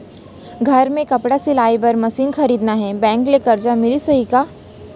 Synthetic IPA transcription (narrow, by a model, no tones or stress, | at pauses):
ɡʱəɾmẽkəpɽasilajbəɾməsiːnxəɾiːd̪naɦẽbɛ̃ŋklekɐɾd͡ʑamilisəɦika